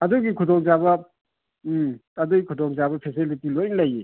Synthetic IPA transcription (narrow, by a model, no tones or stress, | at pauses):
ɐduɡikʰudɔŋzaβɐ | ɐduɡikʰutʰɔŋzabɐpʰesilitilojnlaje